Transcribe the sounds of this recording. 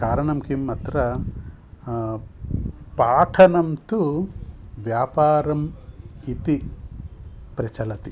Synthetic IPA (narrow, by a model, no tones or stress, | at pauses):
kaːɾɐɳɐmkimɐːt̪ɾɐ | paːʈʰɐnɐmt̪u | ʋjaːpaːɾɐmit̪i | pɾɐt͡ʃɐlɐt̪i